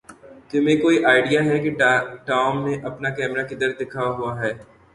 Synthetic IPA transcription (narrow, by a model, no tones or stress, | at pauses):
t̪ʊmẽkoːiʔaːɪɖijaɦɛkiʈaːʊmːẽʔɐpnakɛːmɾakɪd̪əɾd̪ɪkʰaɦuaɦɛː